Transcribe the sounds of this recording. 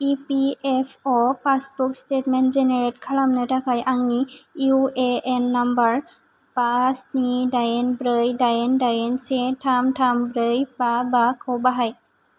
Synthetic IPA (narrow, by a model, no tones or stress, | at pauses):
ipiepʰɔpasbukstetmenzeneɹetkʰalamnətakʰajʔaŋniueenːambəɹ | pasnidajenbɾəjdajendajensetʰamtʰambɾəjbabakʰɔwbaɦaj